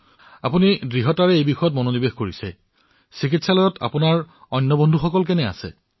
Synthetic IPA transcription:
apunidɹiɦɔtaɹɛejbixɔjɔt̬̚mononibexkoɹisɛ̰ | sikitsalɔjɔtʰa̰punaɹɔjnːɔbɔndʱuxɔkɔlkɛnɛa̰sɛ̰

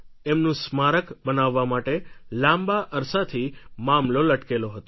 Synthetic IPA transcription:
emnũsmaɾəkbənaʋːamaʈelãmbaʔəɾsat̪ʰimamloləʈkeloɦət̪o

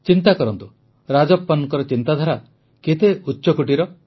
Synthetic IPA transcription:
t͡ʃint̪akɔɾɔnt̪u | ɾad͡ʒɔpːɔnɔŋkɔɾɔt͡ʃint̪ad̪ʱaɾa | ket̪eutːʃɔkuʈiɾɔ

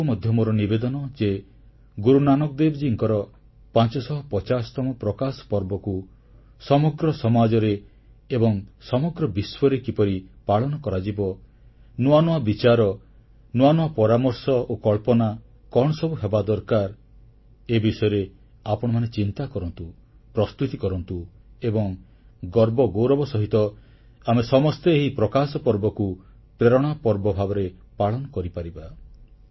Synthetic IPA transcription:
umɔd̪ʱjɔmɔɾɔnibed̪ɔnɔd͡ʒe | ɡuɾunanɔk̚d̪ebd͡ʒiŋkɔɾɔ | pãnt͡ʃɔsɔɦɔpɔt͡ʃasɔ̥t̪ɔmɔpɾɔkasɔ̥pɔɾbɔku | sɔmɔɡɾɔsɔmad͡ʒɔɾeː | bɔŋsɔmɔɡɾɔbiswɔɾekipɔɾipaɭɔnɔkɔɾad͡ʒibɔ | nuanuabit͡ʃaɾɔ | nuanuapɔɾamɔɾsɔokɔɭpɔna | kɔɽɔsɔbuɦebad̪ɔɾkaɾ | ebisɔjɔɾe | apɔɽ̃ɔmanet͡ʃint̪akɔɾɔnt̪u | pɾɔst̪ut̪ikɔɾɔnt̪uebɔŋ | ɡɔɾbɔɡowɾɔbɔsɔɦit̪ɔ | amesɔmɔst̪eeɦipɾɔkasɔpɔɾbɔku | pɾeɾɔɽ̃apɔɾbɔbʱabɔɾepaɭɔnɔkɔɾipaɾiba

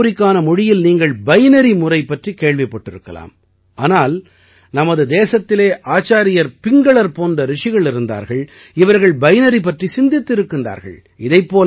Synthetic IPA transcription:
ɾɪkːaːnɐmʊɽɪjɪlniːŋɡɐɭbɐjnɐɾimʊrɐɪpːɐʈrikeːɭʋɪpːɐʈːɪɾɯkːɐla̰ːm | aːnaːl | nɐmɐðɯd̪eːsɐt̪ːɪleːʔaːt͡ʃːaːɾɪjɐɾpɪŋɡɐɭɐɾpoːndɐɾɪʂɪɣɐɭɪɾɯnd̪a̰ːɾɣɐɭ | ɪʋɐɾɣɐɭbɐjnɐɾip̬ːɐʈrisɪnd̪ɪt̪ːɪɾɯkːɯnd̪a̰ːɾɣɐ̰ɭ | ɪðɐɪpːoː

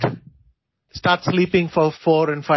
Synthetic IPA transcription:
sʈaːɾʈsliːpɪ̃ŋfɔɾfɔːɾɛ̃nɖfa

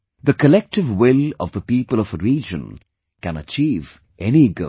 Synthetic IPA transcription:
ðəkəlɛk̚ʈɪvwɪlɔ̰vðəpiːpəlɔfəɾiːd͡ʒə̰̃n | kæ̃nət͡ʃiːv | ʔɛniɡə̰

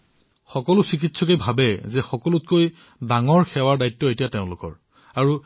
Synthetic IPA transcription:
xɔkɔlʊsikitsʰɔkejbʱabɛzɛxɔkɔlʊtkoj | daŋɔɹxʰɛwaɹdajtːɔetijateʊ̃lʊkɔ̰ɹ | aɹu

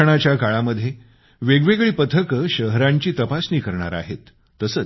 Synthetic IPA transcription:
əɽ̃at͡ɕjakaɭaməd̪ʱːje | ʋeɡʋeɡɭiːpət̪ʰəkəɕəɦɾaɲt͡ɕiːt̪əpasniːkəɾɳa̰ɾa̰ɦet̪ː | əsəː

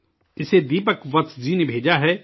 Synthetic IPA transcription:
ɪseːd̪iːpəkʋət̪d͡ʒiːneːbʱeːd͡ʒaːɦɛː

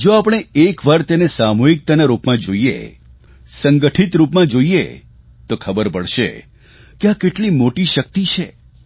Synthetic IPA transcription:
d͡ʒoapəɽ̃eekʋaɾt̪enesamoɦik̚t̪anaɾupmãd͡ʒoijḛ | səŋɡəʈʰit̪ɾupmãd͡ʒoijḛ | t̪okʰəbəɾpəɭʃḛ | keakeʈlimoʈiʃək̚t̪it͡ʃʰḛ

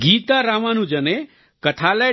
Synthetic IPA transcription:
ɡiːt̪aɾamanũd͡ʒəne | kəʈʰale

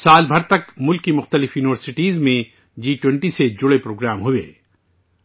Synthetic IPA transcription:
saːlbʱɐɾt̪ɐkmʊlkːimʊxt̪əlɪfjuːnɪʋəɾsɪʈiːzmẽ | d͡ʒiːʈwɛ̃ɳʈised͡ʒʊɽepɾoːɡɾaːmɦʊḛː

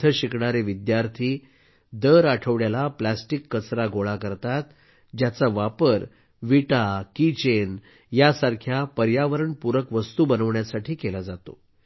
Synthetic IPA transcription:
əɕikɳaɾeʋid̪jaɾt̪ʰiː | d̪əɾaʈʰəʋɽjalaplasʈikːət͡sɾaɡoɭakəɾt̪at̪ | d͡ʑjat͡saʋapəɾ | ʋiʈakit͡ɕen | jasaɾkʰjapəɾjaʋəɾəɳpuɾəkʋəst̪uːbənəʋɳjasaʈʰiːkelad͡zat̪o̰

